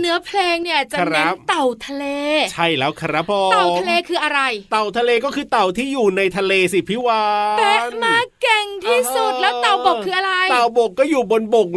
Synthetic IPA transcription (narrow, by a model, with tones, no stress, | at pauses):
nɯ˦˥ɐpʰleː˧ŋni˥˩ɐt͡ɕa˨˩ɾea˦˥p̚t̪a˨˩wt̪ʰa˧leː˧t͡ɕʰa˥˩jlɛː˦˥wkʰa˧ɾa˦˥pʰɔː˧t̪w̪a˧leː˧kʰɯː˧ʔa˧ɾa˧jt̪a˨˩wt̪ʰa˧leː˧kɔː˥˩kʰɯː˧t̪a˨˩wt̪ʰiː˥˩juː˨˩na˧jt̪ʰa˧leː˧si˨˩pʰi˦˥waː˧pe˧˥maː˧kkːe˨˩ŋt̪ʰiː˥˩su˨˩t̪̚lɛː˦˥t̪a˨˩wbo˨˩kʰːɯː˧ʔa˧ɾa˧jt̪a˨˩wbo˨˩kːɔː˥˩juː˨˩bo˧nbo˨˩k̚